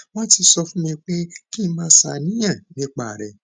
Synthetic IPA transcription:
w̃ɔ̃˦ti˧sɔ˧fũ˦mĩ˧k͡pe˦ki˦˧˦mãː˦sa˨nĩ˦j̃ã˦˨nĩ˦k͡pa˦˨ɾɛ˨

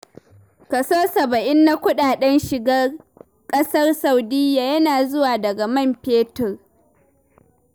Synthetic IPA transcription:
kɐ˨soː˦sɐ˨bɐ˨ʔɪ˦nːa˦kʷʊ˦ɗaː˨ɗɛ˦nʃɪ˨ɡɐ˦r | kʼɐ˦sɐ˦rsa˨wdɪ˦jaː˨jɐ˦naː˨zʊ˦waː˨dɐ˨ɡa˨mɐ˦˨mpeː˦tʊ˨r

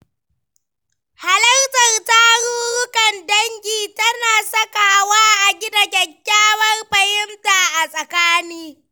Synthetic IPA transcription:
ha˨lɐ˦rtɐ˨rta˦ɽuː˦ɽʊ˦kɐ˨ndɐ˦ŋkʲiː˨tɐ˦naː˨sɐ˦ka˨waː˦ʔa˨ɡʲɪ˦da˨kʲɐ˨kʲːaː˦wɐ˦rɸɐ˨hɪ˦mta˨ʔa˨sʼɐ˨kaː˦niː˦

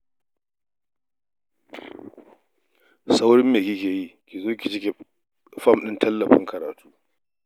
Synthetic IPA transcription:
sa˦wɽɪ˦mːeː˨kʲɪ˦kʲeː˨ji˦kʲi˨zoː˦kʲi˨t͡ʃɪ˦kʲe˨ | fɐ˦mɗɪ˦ntʰɐ˦lːɐ˨ɸɪ̰˦ŋkɐ˨ɾaː˨tuː˦

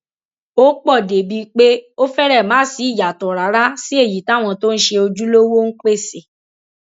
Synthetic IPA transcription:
o˦k͡pɔ˦˨de˨bi˧k͡pe˦o˦fɛ˦ɾɛ˦˨mãː˨˦si˨˦i˦˨ja˨tɔ˨ɾa˨˦ɾa˦si˦e˦˨ji˨ta˨˦˨w̃ɔ̃˧to˦n̩˦ʃe˧o˧d͡ʒu˦lo˦wo˦n̩˦k͡pe˦˨se˨

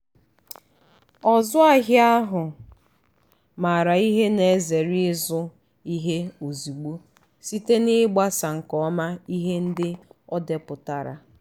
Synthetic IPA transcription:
ɔ˨zʊ˦a˦ɦɪ˦a˦ɦʊ˨ | ma˨ɾa˨i˦ɦe˦ne˨˦ze˨ɾi˦zʊ˦ | i˦ɦe˦o˨zi˨ɡ͡bu˦ | si˦te˦nɪ˦ɡ͡ba˦sa˨ŋ̩˨kɔ˨˦ma˦i˦ɦe˦n̩˦dɪ˦ɔ˦de˨pʊ˨ta˨ɾa̰˨

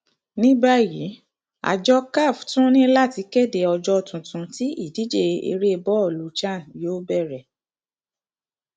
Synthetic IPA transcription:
nĩ˦ba˦˨jḭ˨˦ | a̰˨d͡ʒɔ˧ka˦˨ftũ˦nĩ˦la˦˨ti˧˦ke˦˨de˨ɔ˧d͡ʒɔ˧tũ˨tũ˧˦ti˦i˦˨di˨˦d͡ʒe˦ḛ˧ɾe˦˧bɔ˦ɔ˦˨lu˨˦t͡ʃã˦˨joː˦bɛ˦˨ɾɛ˨

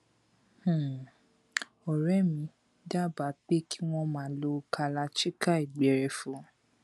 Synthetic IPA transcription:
h̩˨ | ɔ˨ɾɛ˦mĩ˨˧ | da˦˨ba˨˦k͡pe˦kʰi˦w̃ɔ̃˦mãː˨˦lo˧kʰa˧la˧ʃi˦ka˦i˨ɡ͡bɛ˨ɾɛ˧˨fũ˨˦

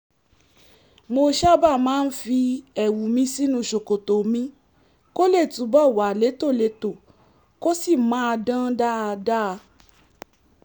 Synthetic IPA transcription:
mo˧ʃa˦ba˦˨mãː˨˦n̩˦fi˧ɛ˨wu˨mĩ˧si˦nũ˧˨ʃo˨ko˨to˨mĩ˧˦ | ko˦le˦˨tũ˨˦bɔ˦˨wa˨le˨˦to˦˨le˨˦to˨ | ko˦si˦˨mãː˨˦a˧dã˦da˦˧da˦˧

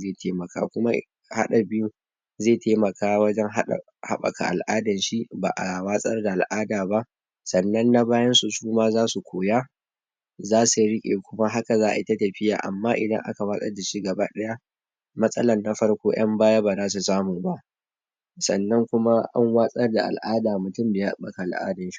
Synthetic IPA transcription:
zeː˦˨tʰeː˦mɐ˨ka̰ː˦kʷʊ˦ma˦ | ha̰˦ɗa˨bɪ˦ju˦ | zeː˦˨tʰeː˦mɐ˨kʰaː˦wɐ˦d͡ʒɛ˦ŋɦa̰˦˨ | ha̰˦ɓɐ̰˨ka̰˨ʔa˨lʔaː˦dɐ˨nʃi˦ba̰ː˨ʔa˨waː˦sʼɐ˦rda˨ʔa˨lʔaː˦daː˨ba˦ʔ | sɐ˨nːɐ˦nːa˦baː˦jɐ˦nsu˨ʃuː˦maː˦zaː˦su˨kʷʰoː˨jaː˦ | zaː˦su˨ɾɪ˦kʲʼḛː˨kʷʊ˦ma˦ɦa˦ka˨zaː˦ʔa˨ʔɪ˦ta˦tɐ˨ɸɪ˦ja̰ː˨ʔa̰˨mːaː˦ʔɪ˨dɐ˦ŋʔa̰˦ka˨waː˦sʼɐ̰˦da˨ʃi˦ɡɐ˨baː˦ɗɐ˦ja˦ | mɐ˦sʼɐ̰˦lɐ˨nːa˨ɸɐ˦rkʷoː˦j̰ɐ˦mbaː˦ja˦baː˨zaː˦s̬u˨saː˦muː˨ba˦ʔ | sɐ˨nːɐ˦ŋkʷʊ˦ma˦ʔɐ̰˦ŋwaː˦sʼɐ˦rda̰˨ʔa̰˨lʔaː˦daː˨mʊ˨tʊ˦mbeː˨ha˦ɓɐ˨ka˨ʔa˨lʔa̰ː˦dɐ˨nʃi̥˦

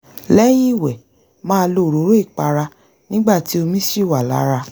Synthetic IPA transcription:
lɛ˦j̃ĩ˦i˦˨wɛ˨ | mãː˦˧lo˧˨ɾo˨˦ɾo˦i˦˨k͡pa˧ɾa˧ | nĩ˦ɡ͡ba˦˨ti˨˦o˧mĩ˦ʃi˦˨wa˨la̰˨˦ɾa˧

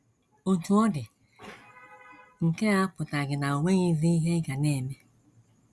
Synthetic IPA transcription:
o˨tu˨ɔ˦dɪ˨ | ŋ̩˨ke˦a˦pʊ˨ta˨ɡɪ˨na˨o˨ŋʷe˦ɲi˦zi˦i˦ɦe˦ɡa˨ne˦˨me˦

